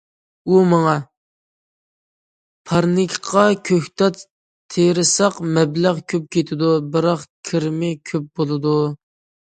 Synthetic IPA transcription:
umɑŋɑ | pʰɑɾnɪkʲʰqʰɑkʲʰøht̪ʰɑt̪ | t̪ʰːeɾɪsɑqmɛblæʁkʲʰøp̚kʲʰet̪ʰɪd̪ubɪɾɑqkʲʰɪɾmɪkʲʰøp̚bolˠɨd̪u

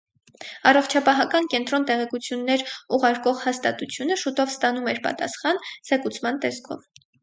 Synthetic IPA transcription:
ɑrɔχt͡ʃʰɑpɑɦɑkɑnkɛnt̪ɾɔnt̪ɛʁɛkut͡sʰjunːɛɾuʁɑɾkɔʁhɑst̪ɑ̰t̪ut͡sʰjunəʃut̪ɔvst̪ɑnumɛɾpɑ̰t̪ɑ̰sχɑnz̥ɛkut͡sʰmɑnt̪ɛskʰɔ̰v

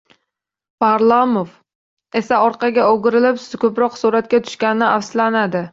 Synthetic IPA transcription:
pʰaɾlˠamof | e̞saɒɾqʰɑɡʲaoɡʲɪɾɪlɪpskʲʰɵpɾɒqsuɾat̪̚kʲat̪ʰʊ̥ʃkʲanɪnɪafslanad̪ɪ

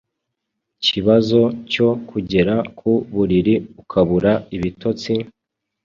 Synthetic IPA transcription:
ciβazo̞co̞kʰuɟe̞ɾakʰuβuɾiɾiukʰaβuɾaiβito̞t͡si

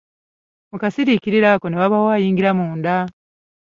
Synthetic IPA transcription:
mukasiɾikiɾiɾako̞newaβawaːjiːŋɡiɾamuːnda

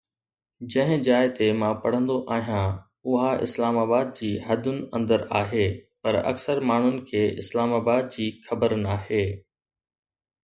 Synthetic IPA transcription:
d͡ʑɐ̃ɦɪ̃d͡ʑaːɪt̪emãpɐɽ̤ə̃nd̪oʔaːɦijã | ʊɦaɪ̰slaːmaːbaːd̪̚d͡ʑiːɦɐd̪ʱʊnɪ̆ɐ̰̃nd̪əɾaːɦeːpɐɾɐ̰ksəɾmaːɳ̤ʊnɪ̆kʰeːɪ̰slaːmaːbaːd̪̚d͡ʑiːxɐbəɾnaːɦeː

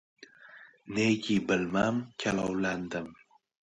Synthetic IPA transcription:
neɡʲibɪlmamkʲʰalɒwland̪ɪm

